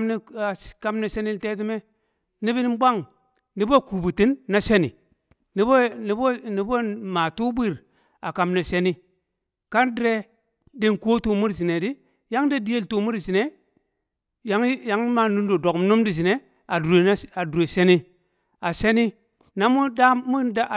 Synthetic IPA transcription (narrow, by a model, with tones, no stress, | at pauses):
mni˨a˨ka˦mne˨se˦ni˦lte˦t̬i˦me˦ | ni˦bi˦n˦ba˦ŋ | ni˦bo˦˨ku˨bu˨ti˦nːa˦se˦nḭ˨ | ni˦bo˦ni˦bo˦ni˨˦bo˦ma˨tu˦bi˦˨ɾ | a˨ka˨mne˨se˦ni˦ | ka˦ndɾe˦ | de˦nko˦to˨mu˦ɾzi˨ne˨di˦ | ja˦ŋde˦di˦je˦˨lto˨mu˦ɾzi˨ne˨ | ja˦ŋja˦ŋ˦ma˨nu˦ndo˨do˨km˦nu˦mdi˨z̬i˨ne˨ | a˨du˨e˨˦a˨du˨ɾe˨se˦ni˦ | a˨ʃe˦ni˦ | na˨˦mu˦da˦mu˦da˦˨